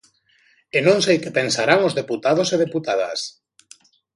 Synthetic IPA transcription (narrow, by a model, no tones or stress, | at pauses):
enõŋsejkepensaɾaŋozðeput̪að̞oseð̞eput̪aða̰s